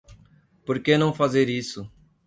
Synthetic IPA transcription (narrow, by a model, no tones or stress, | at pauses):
poɾkenɐ̃w̃fazeɾisʊ